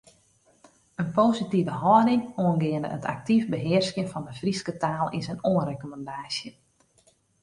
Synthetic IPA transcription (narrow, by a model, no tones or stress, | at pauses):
ənpoːsitivəɦɔdɪŋoənɡɪəndə̰ətʰa̰k̚tifbəɦɪərskjənfɔndəfriskətaːlˠɪnsənoənrekoməndaːsjə